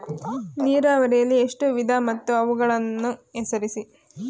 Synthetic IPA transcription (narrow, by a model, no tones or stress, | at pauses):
niːɾaːʋɐɾijɐlːieʂʈuʋid̪ʱamɐt̪ːuɐʋuɡɐɭɐnːuesɐɾisi